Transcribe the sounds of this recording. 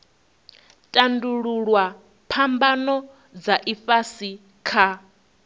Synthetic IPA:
tʼanduɺuɺwa | pʰambanɔ | d͡zaʔifasi | kʰa

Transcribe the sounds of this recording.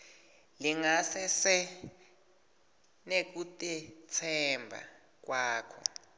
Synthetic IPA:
liŋasɛsɛ | nek̬utʼɛt͡sʰɛmbʱa̰ | k̬waːkʰɔ̰

